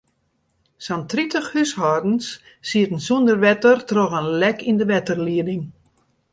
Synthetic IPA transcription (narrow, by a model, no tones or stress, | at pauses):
santritəxhyshɔːrdn̩sː | iətən̩sondərʋɛtərtrɔɣənlɛkindəʋɛtərliədɪŋ